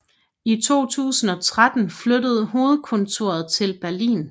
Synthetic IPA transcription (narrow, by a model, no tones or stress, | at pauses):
it͡sʰo̝̰ːt͡sʰṵːsn̩ɒ̽t͡sʰʁad̥n̩flødəð̞̩ˠɦo̝ːð̞̩ˠkʰɔ̽nt͡sʰo̝̰ːɐð̞̩ˠt͡sʰe̝lb̥æɐlḭːn